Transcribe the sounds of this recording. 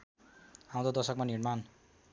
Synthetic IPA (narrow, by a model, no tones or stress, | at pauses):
ãw̃d̪od̪ʌsʌkmanirman